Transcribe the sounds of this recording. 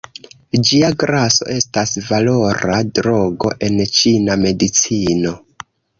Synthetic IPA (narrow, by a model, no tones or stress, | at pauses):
d͡ʒiaɡɾaso̞̰ʔe̞stasvalo̞ɾadɾo̞ɡo̞̰ʔe̞nt͡ʃiname̞dit͡sino̞